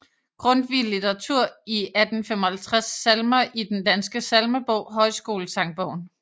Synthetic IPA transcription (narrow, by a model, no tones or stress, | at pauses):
ɡ̥ʁɔ̽nd̥ʋillit͡seʁɑt͡sʰuɐ̰iæd̥n̩femɒhælt͡sʰʁasːælmɐʔid̥end̥ænsɡ̥əsælməb̥ɔʊ̰ɦɒ̽ɪsɡ̥o̝ːləsʰɑ̈ŋ̚b̥ɔʊ̰n